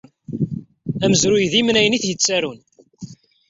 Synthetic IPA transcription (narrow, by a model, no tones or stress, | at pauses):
æməzɾʊjðimnæjəniθjət͡sːæɾun